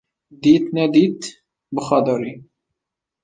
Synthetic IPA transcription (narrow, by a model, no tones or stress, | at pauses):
d̪iːt̪nɛd̪iːt̪ | bɨxɑd̪ɑɾi